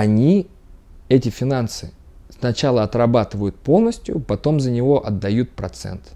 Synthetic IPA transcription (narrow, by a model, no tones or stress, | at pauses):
ɐnʲi | ɛtʲɪfʲɪnansɨ | snɐt͡ɕalˠəɐt̪rɐbat̪ɨvəjʊt̪̚po̞lˠnəsʲtʲjʊ̰pɐt̪o̞mzənʲɪvo̞ʔɐd̪ːɐjut̪̚pɾɐt̪sɛ̰nt̪